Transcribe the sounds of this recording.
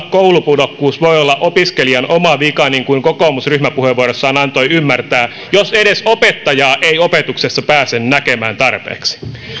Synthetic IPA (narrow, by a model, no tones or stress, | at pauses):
koulupudokːuːsʋo̞jolːɑʔopiskeliɑnʔomɑʋikɑniŋkuiŋkokoːmusryhmæpuheʋuoɾosːɑːnɑnt̪o̞jymːært̪æː | joseɾesopet̪ːɑjɑːʔejopet̪uksesːɑpæːsennæke̞mæːnt̪ɑrpḛːksi̥